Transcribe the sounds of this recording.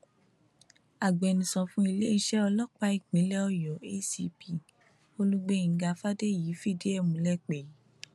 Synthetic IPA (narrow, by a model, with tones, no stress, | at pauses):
a˨ɡ͡bɛ˨nĩ˨sɔ̃˧fũ˧˦i˧le˦i˧ʃɛ˦ɔ˧lɔ˦k͡pa˧i˦˨k͡pĩ˨˦lɛ˦ɔ˦jɔ˨˦e˦si˧pi˦˨ | o˧lu˦ɡ͡be˦˨˧ɡa˧fa˦de˦ji˨˦fi˦˨de˦ɛ˦˨mũ˨˦lɛ˦k͡pe˨˦